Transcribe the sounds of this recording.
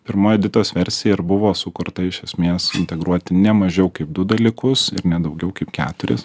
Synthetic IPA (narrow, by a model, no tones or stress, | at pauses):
pʲɪɾmoːjɛːd̪ʲɪt̪oːsʋʲɛɾʲsʲɪjɛɪɾbʊʋoːsʊkʊɾt̪ɐɪʃʲɛsʲmʲeːsɪ̰nʲt̪ʲɛɡɾuɔt̪ʲɪnʲɛmɐʒʲɛʊkɐɪp̚d̪ʊd̪ɐlʲikʊsɪɾnʲɛd̪ɐʊɡʲɛʊkɐɪpkʲæ̰ːt̪ʊɾʲɪ̰s